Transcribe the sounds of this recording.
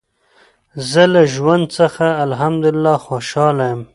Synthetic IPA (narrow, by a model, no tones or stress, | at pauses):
zəlaʒwand̪̚səxaːlɦamd̪ʊlɪlːɑxoʃɑlajəm